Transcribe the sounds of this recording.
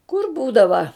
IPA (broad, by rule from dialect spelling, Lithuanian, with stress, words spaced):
kʊr ˈbuːdɐʋɐ